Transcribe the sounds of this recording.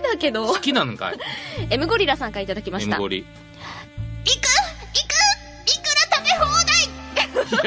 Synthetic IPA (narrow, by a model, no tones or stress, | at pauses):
d̪ake̞d̪okʲinãŋka̰jemɯ̟ɡo̞ɾʲiɾasãŋkait̪ad̪akʲimasɕit̪a̰o̰ɾʲḭ | ikɯikɯ | ikɯ̟ɾat̪ame̞ɦoːnai